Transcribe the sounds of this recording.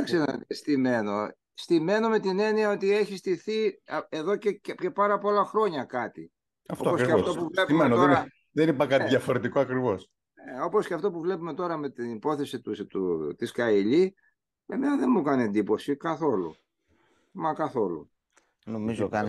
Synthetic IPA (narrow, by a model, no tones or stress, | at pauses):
kseɐ̰t̪est̪ime̞no̞ | st̪ime̞no̞me̞t̪ine̞niɐo̞t̪ie̞çist̪iθieðoceccepɐɾɐpo̞lɐxɾo̞ɲɐkɐt̪i | ɐft̪oɐposeɐt̪o̞puvle̞pmenot̪oeɐ | ðenipɐkɐt̪iðjɐfo̞ɾe̞t̪ikoɐkɾivo̞s | neo̞po̞sceɐft̪o̞puvle̞pume̞t̪o̞ɾɐme̞t̪inipo̞θe̞sit̪ut̪ut̪iskɐiʎi | emenɐðenmukɐnie̞nd̪ipo̞sikɐθo̞lṵ | mɐkɐθo̞lṵ | nomizoɐ